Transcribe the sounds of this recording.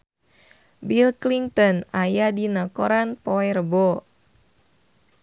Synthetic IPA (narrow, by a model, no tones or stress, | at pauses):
bilkliŋt̪ɔnajadinakoɾanpɔɛrəbo